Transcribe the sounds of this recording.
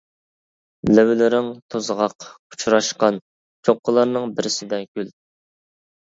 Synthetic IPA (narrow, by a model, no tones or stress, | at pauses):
lɛwlɪɾɪŋt̪ʰozʁɑq | u̥t͡ʃʰɾɑʃqɑn | t͡ʃʰoqːəlˠɑɾnɨŋbɪɾɪsɪd̪ɛkʲyl